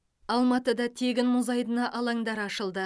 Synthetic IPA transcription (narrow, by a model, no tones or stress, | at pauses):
ɑlˠmɑt̪əd̪ɑt̪ʰe̞ɡʲɪnmʊzɑjd̪ənɑʔɑlˠɑŋd̪ɑɾɑʃəlˠd̪ə